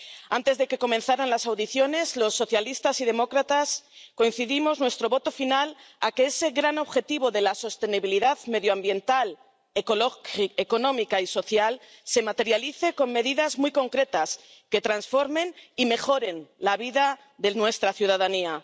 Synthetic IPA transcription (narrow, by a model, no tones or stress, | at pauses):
ant̪e̞zðe̞ke̞ko̞menθaɾanlasawðiθjo̞ne̞zlo̞sːo̞θjalist̪asiðe̞mo̞kɾat̪asko̞in̟θiðimo̞znwest̪ɾoβot̪o̞finalakeese̞ɣɾano̞βxe̞t̪iβo̞ðe̞laso̞st̪e̞niβiliðaðme̞ðjoambje̞nt̪al | ekoloeko̞nõ̞mikaiso̞θjalse̞mat̪e̞ɾjaliθe̞ko̞ŋme̞ðiðazmujko̞ŋkɾe̞t̪aske̞t̪ɾansfo̞ɾme̞nime̞xo̞ɾe̞nlaβiða | ðe̞nwe̞st̪ɾaθjuðaðania